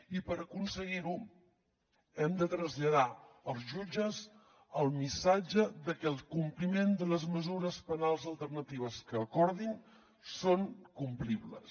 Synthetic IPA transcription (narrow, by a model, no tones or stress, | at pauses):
ipəɾəkunsəɣiɾu | ɛmd̪ət̪ɾəzʎəða | əlˠzʒud͡ʒəz | əlˠmisad͡ʒəðəkɛlˠkumplimend̪ələzməzuɾəspənalˠzəlˠt̪ərnət̪iβ̞əskəːkɔɾðin | soŋkumpliβlə̰s